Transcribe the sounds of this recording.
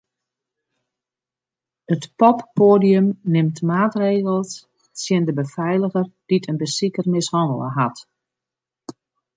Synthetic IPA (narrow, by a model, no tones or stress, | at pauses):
ətpɔpːoːdiəmnɪmtmaːtreːɣəlˠs | sjɪndəbəfɛjləɣərd̥itʰənbəsikərmɪshɔndəlˠə̰ɦat